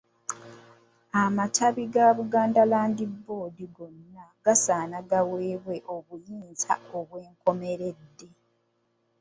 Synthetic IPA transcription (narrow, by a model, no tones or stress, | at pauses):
amatʰaβiɡaβuɡaːndalaːndibːo̞ːdiɡo̞nːaɡasaːnaɡaweːβwe̞ʔo̞βujiːnza̰o̞βweːŋko̞me̞ɾe̞dːe̞